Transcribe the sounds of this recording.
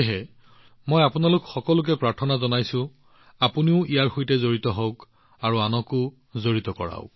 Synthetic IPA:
ɦɛ | mojapunalʊkxɔkɔlʊk̬ɛpɹaɹtʰɔnazɔnajsʊ̃ | apuniʊijaɹxojtɛzoɹitɔɦɔwk | aɹuanɔkʊ | zoɹitɔkɔ̰ɹa̰ʊ

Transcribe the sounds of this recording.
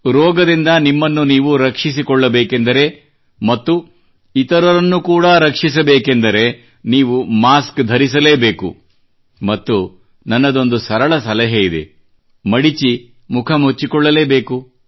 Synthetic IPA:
ɾɔːɡɐd̪ind̪ɐnimːɐnːuniːʋuɾɐkʂis̬ikɔɭːɐbeːke̞nd̪ɐɾe̞ | mɐt̪ːu | it̪ɐɾɐɾɐnːukuːɽɐɾɐkʂis̬ɐbeːke̞nd̪ɐɾe̞ | niːʋumaːskd̪ʱɐɾis̬ɐle̞ːbe̞ːkṵ | mɐt̪ːu | nɐnːɐd̪o̞nd̪usɐɾɐɭɐsɐlɐɦɐid̪e̞̰ | mɐɽit͡ʃi | mukʰɐmɦut͡ʃːikɔɭːɐle̞ːbe̞ːku

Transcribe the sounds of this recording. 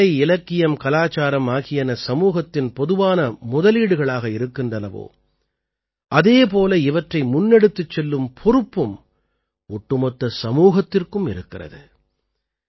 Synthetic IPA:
ɐɪɪlɐkːɪjɐmkɐlaːt͡ʃaːɾɐmaːɣɪjɐnɐsɐmuːɣɐt̪ːɪnpɔðɯʋaːnɐmʊðɐliːɽɯɣɐɭaːɣɐɪɾɯkːɪndrɐlɐʋo̰ː | ʔɐðeːp̬oːlɐɪʋɐʈrɐɪmʊnːɛɽɯt̪ːɯt͡ʃːɛlːɯmpʰɔɾɯpːɯm | ɔʈːɯmɔt̪ːɐsɐmuːɣɐt̪ːɪrkɯmɪ̰ɾɯkːɪrɐ̰ðɯ̰

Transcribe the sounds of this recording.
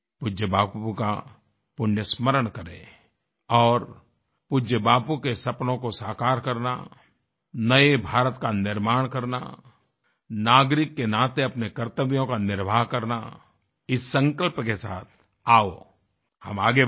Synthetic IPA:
pʊd͡ʒjəbaːpuka̰ | pʊɳjəsməɾəɳkɐɾḛ̃ː | ɔːɾ | pʊd͡ʒəbaːpukesɐpnõkosaːkaːɾkɐɾna̰ | nɐebʱaːɾət̪kanɪɾmaːɽ̃kɐɾna̰ | naːɡɾɪkːenãːt̪eɐpnekɐɾt̪əʋjõkanɪɾbʱaːɦkɐɾna̰ | ɪsːə̃ŋkəlpkesa̰ːt̪ʰ | aːo | hɐmaːɡe

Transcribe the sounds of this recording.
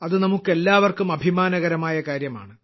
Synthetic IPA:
ɐðɨnɐmukːe̞lːaːʋɐrkumɐbʱimaːnɐɣɐɾɐmaːjɐkaːɾjɐma̰ːɳɨ

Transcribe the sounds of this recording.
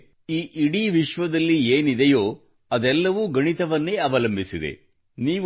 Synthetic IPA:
iːʔiɽiʋiʃʋɐd̪ɐlːieːnid̪ejoː | ɐd̪ɛlːɐʋuɡɐɳit̪ɐʋɐnːeːɐʋɐlɐmbʱisid̪ḛ | niː

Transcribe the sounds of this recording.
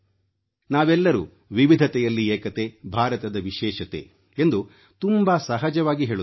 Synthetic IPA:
naːʋɛlːɐɾṵː | ʋiʋid̪ʱɐt̪ɛjɐlːieːkɐt̪e̞bʱaːɾɐt̪ɐd̪ɐʋiʃɛːʃɐt̪ḛː | end̪u | t̪umbɐsɐɦɐd͡ʒɐʋaːɡiɦeːɭu

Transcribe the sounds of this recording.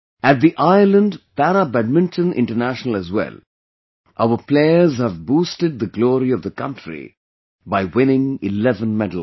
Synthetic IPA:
æʈ̚d̪iʔaɪlə̃nɖpæɾəbæɖ̚mɪ̃nʈʰə̃nɪ̰̃ɳʈənæʃənəl̩æzwɛ̰l | ʔaʊəpleɪəzhævbuːsʈɨɖ̚d̪əɡlɔːɾiʌvd̪əkʌ̃nʈʰɾḭ | baɪwɪ̃nɪ̃ŋɪlɛvə̃nmɛdl̩

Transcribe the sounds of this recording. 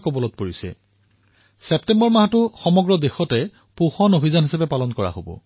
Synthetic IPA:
kobɔlɔt̚poɹisɛ̰ | sɛptɛmbɔɹmaɦatʊxɔmɔɡɹɔdexɔtɛ | puxɔnobʱizanɦisapɛpalɔnkɔɹa̰ɦobɔ̰

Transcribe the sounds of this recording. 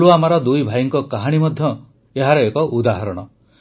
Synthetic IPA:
luamaɾɔd̪ujbʱajɔŋkɔkaɦaɽ̃imɔd̪ʱjɔ | eɦaɾɔekɔʔud̪aɦɔɾɔɽ̃ɔ

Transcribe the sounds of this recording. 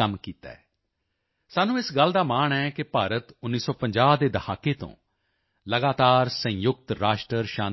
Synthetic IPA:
əmkiːt̪a̰ːɛː | saːnũːɪsɡəld̪aːmaːɳɛːkɪpaːɾət̪ʊnːiːsɔːpəɲd͡ʒaːd̪eːd̪əhʰaːkeːt̪õ̰ː | ləɡaːt̪aːɾsə̃jʊk̚t̪ɾaːʃʈɾəɾʃaː

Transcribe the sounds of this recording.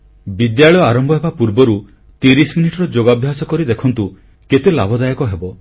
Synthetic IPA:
bid̪jaɭɔjɔaɾɔmbʱɔɦebapuɾbɔɾu | t̪iɾisminiʈɔɾɔd͡ʒoɡabʱjasɔkɔɾid̪ekʰɔnt̪u | ket̪elabʱɔd̪ajɔkɔɦebɔ

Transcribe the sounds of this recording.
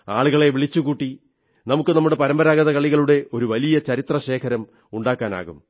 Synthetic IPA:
a̰ːɭuɣɐɭe̞ʋiɭit͡ɕːukuːʈːi | nɐmukːɨnɐmːuɽe̞pɐɾɐmbɐɾaːɡɐðɐkɐɭiɣɐɭuɽe̞o̞ɾuʋɐlijɐt͡ɕɐɾit̪rɐɕe̞ːkʰɐɾɐm | uɳɖaːkːaːna̰ːɣṵm

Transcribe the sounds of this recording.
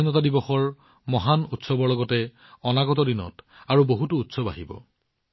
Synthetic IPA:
inɔtadibɔxɔɹ | mɔɦanutsɔbɔɹlɔɡɔtɛ | ɔnaɡɔtɔdinɔ̰taɹuboɦutuːtsɔba̰ɦibɔ̰

